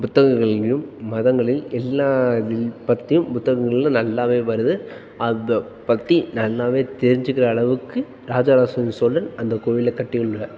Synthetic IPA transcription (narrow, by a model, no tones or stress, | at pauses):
pʊt̪ːɐɣɐŋɡɐɭjɯmːɐðɐŋɡɐɭɪlɛlːaːðɪlpɐt̪ːɪjɯmpʊt̪ːɐɣɐŋɡɐɭɪlːɐ̃nɐlːaːʋeːʋɐɾɯðɯ | ʔɐɐ | pɐt̪ːinɐlːaːʋeːt̪ɛɾɪɲd͡ʒɯkːɪrɐːɭɐʋɯkːɯ | ɾaːd͡ʒaːɾaːsɐnsoːlːɐnɐnd̪ɐkoːʋɪlɐkːɐʈːɪɣɐɭɯɭɭɐ